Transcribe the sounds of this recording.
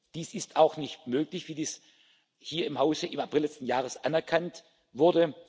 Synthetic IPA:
d̥iːsɪstaʊxnɪçtmøːklɪçv̥iːdiːs | hiːɐɪmhaʊzəʔɪmapʁɪlɛt͡stn̩jaːʁ̞əsʔanɛɐkʰant | vʊɐdə

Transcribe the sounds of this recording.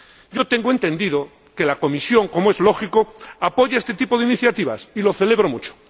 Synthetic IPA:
ɟ͡ʝo̞t̪e̞ŋɡoe̞nt̪ẽ̞nd̪iðo | ke̞lako̞misjo̞ŋko̞moe̞zlo̞xikoapo̞ʝaest̪e̞t̪ipo̞ðeiniθjat̪iβa̰silo̞θe̞le̞β̞ɾo̞mut͡ʃo̥

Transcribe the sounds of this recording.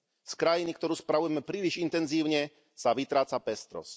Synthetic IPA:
skɾajinikt̪ɔɾuːspɾaʋujɛmɛpɾiːliʒint̪ɛnziːʊɲɛ | saʋit̪ɾaːt͡sapɛst̪ɾɔ̰s

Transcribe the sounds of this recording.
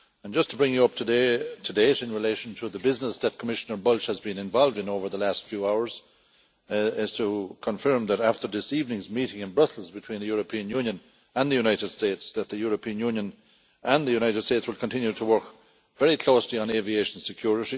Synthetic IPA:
ə̃nd͡ʒʌstʰəbɹɪ̃ŋjəʌp̚tʰədeɪtʰədeɪɾɨ̃nɹɨleɪʃə̃n̩tʰəðəbɪznəsðət̚kʰəmɪʃənə˞bʌlˠʃhəzbĩnɨ̃ɱvɑlˠvdɨ̃noʊvə˞ðəlæstfjuːaʊə˞z̥ | ɪz̥tʰəkʰə̃ɱfɜ˞mðəɾæftə˞ðɪsivnɪ̃ŋzmiɾɪ̃ŋɨ̃nbɹʌsəl̩ˠzbɨtʰw̥ĩnðəjɔɹəpʰĩə̃njʉ̃njə̃n | ə̃nðəjʉñaɪɾɨd̥stetsðət̪̚ðɨjʊɹəpʰĩə̃njũnjə̃n | ʔə̃nðɨjʉñaɪɾɨd̥steːtswəlˠkʰə̃n̩tʰɪ̃njʉɾʰəwɜ˞k | vɛɹikʰl̥oʊsliə̃nevieɪʃən̩sɨkʰj̥ʊɹɪɾi

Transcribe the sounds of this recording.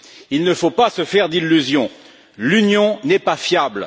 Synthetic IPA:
ilnəfopasəfɛʁd̪ilːyzjɔ̃ | lynjɔ̃nɛpafjabl

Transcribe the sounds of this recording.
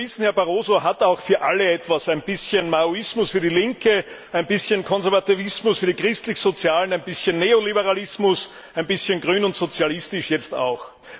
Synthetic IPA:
ɪsn̩hɛɐbaʁoːzoɦataʊxfyːɐʔa̰ləɛtv̥asæɪnb̥ɪsçənmauɪsmʊsfyːɐdilɪŋkə | æɪnb̥ɪsçənkʰɔnzɛɐvativɪsmʊsfyːɐdikʁ̥ɪstlɪçz̥ot͡sjaːlənæɪnb̥ɪsçənːeːolibəʁalɪsmʊs | æɪnb̥ɪsçənɡʁyːnʊntz̥ot͡sjalɪstɪʃjɛt͡sta̰ʊx

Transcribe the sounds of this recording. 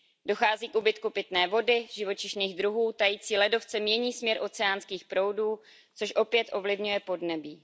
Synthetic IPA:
do̞xaːziːkʔubɪt̪kupɪt̪nɛːvo̞dɪʒɪvo̞t͡ʃɪʃniːɣdɾuɦuːt̪ajiːt͡siːlɛdo̞ft͡sɛmɲɛɲiːsmɲɛɾʔo̞t͡sɛaːnskiːxpɾo̞wduː | t͡so̞ʃʔo̞pjɛt̪ʔo̞vlɪvɲujɛpo̞dnɛbiː

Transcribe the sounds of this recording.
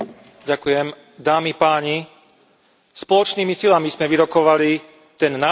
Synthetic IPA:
ɟakujɛm | d̪aːmipaːɲi | spɔlɔt͡ʃniːmisilamiz̥mɛʋiɾɔkɔʋali | t̪ɛnːa

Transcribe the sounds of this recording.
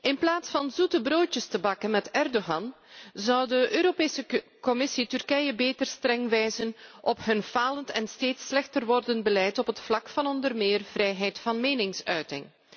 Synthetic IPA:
ʔɪnplaːtsfɑnzutəbroːtəstəbɑkənmɛtɛrdoɣɑn | zɑwdəʔøːɾopeːsəkɔmɪsitʏrkɛjəbeːtərstrɛŋʋɛjzənʔɔpɦɵnv̥aːləntʰɛnsteːtslɛxtərʋɔrdənbəlɛjtɔpɦətflɑkfɑnɔndərmɪːrv̥rɛjɦɛjtfɑnmeːnɪŋsœɥtɪŋ

